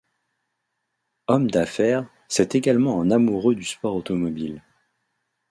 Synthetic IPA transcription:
ɔmd̪afɛʁ | sɛt̪eɡalmɑ̃ɛ̃namuʁød̪yspɔʁot̪ɔmɔbil

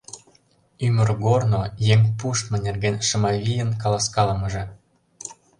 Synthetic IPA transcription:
ymə̆rɣornojeŋpuʃt̪mə̆nʲerɣenʲʃɤ̆mɑβʲijə̆nkɑlɑskɑlɤ̆mɤ̆ʒĕ

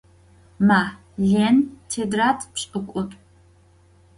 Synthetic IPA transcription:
maː | ɮentʰedratʰʼpɕʼɨkʷʼʊtʼ

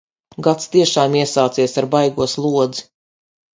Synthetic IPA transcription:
ɡat̪st̪iɛʃaːmiɛsaːt̪siɛsaɾbajɡuɔslˠuɔd̪zi̥

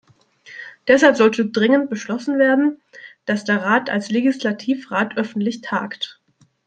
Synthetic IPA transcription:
d̥ɛshalpz̥ɔltədʁɪŋənt̚b̥əʃlɔsn̩veːɐdn̩d̥asd̥eːɐʁaːtalsleɡislatʰiːfʁaːtʰʔœfn̩tlɪçtʰa̰ːkt

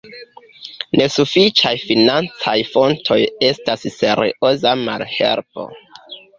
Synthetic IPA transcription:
ne̞sufit͡ʃajfinant͡sajfo̞ntʰo̞je̞stasse̞ɾiozama̰lhe̞̰lpo̞̰

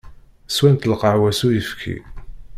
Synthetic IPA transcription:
swænt̪lqɑʕwæsujəfkʰḭ

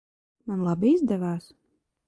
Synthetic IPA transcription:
manlˠabiizd̪ɛvaːs

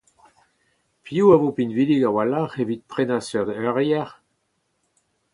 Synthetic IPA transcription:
pʰiuavopinviliɡawalaχevit̪̚pχenasœʁd̪œʁjɛʁ

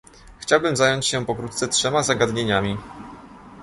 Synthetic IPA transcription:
xt͡ɕawbɘmzajɔɲt͡ɕɕɛpɔkɾut̪t̪sɛtʂɛmazaɡad̪ɲeɲamʲi

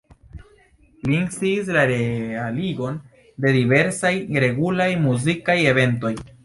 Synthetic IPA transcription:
liŋsiːs̬laɾealiɡo̞n | de̞dive̞ɾsajɾe̞ɡulajmuzikaje̞ve̞nto̞j

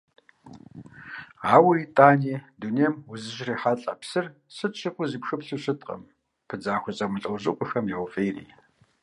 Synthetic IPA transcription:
aːwitʼaːniːdunejɛmwʊzɨʒriːħaɬʼɐ̰psɨr | sɨtɕɪqʷʊziːpxɨpɬuɕɨtʼqʼɐ̰m | pʰɨd͡zaːxʷʊt͡sʼɐmʊɬʼɐwʑɪ̰qʷʼʊxɐmjaʁʷʊfʼeːrḭː

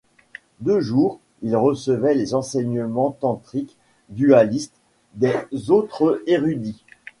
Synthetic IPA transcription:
d̪øʒuːʁ | ilʁəsəvɛlezɑ̃sɛɲəmɑ̃t̪ɑ̃t̪χik | d̪yalist̪ | d̪ezot̪χəeʁyd̪i

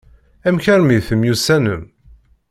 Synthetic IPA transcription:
æmçæɾmiðθəmjusænəm

